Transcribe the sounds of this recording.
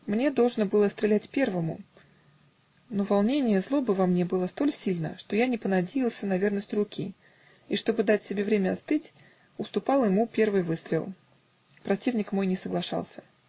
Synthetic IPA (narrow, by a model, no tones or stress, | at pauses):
mnʲe̞d̪o̞lˠʐnəbɨlˠəst̪ɾʲɪlʲætʲpʲe̞rvəmʊ̰ | no̞vɐlˠnʲenʲɪjəzlˠo̞bɨvɐmnʲe̞bɨlˠəst̪o̞lʲsʲilʲnə̰ʂt̪o̞janʲɪpənɐdʲejɪlˠsʲənɐvʲe̞rnəsʲtʲɾʊkʲʰḭ | iʂt̪o̞bɨd̪atʲsʲɪbʲe̞vɾʲemʲəɐt̪st̪ɨtʲ | ʊst̪ʊpɑlˠjɪmupʲe̞rvɨjvɨst̪ɾʲɪ̰lˠ | pɾɐtʲivnʲɪkmo̞jnʲɪsəɡlˠɐʂɑ̰lˠsʲə̥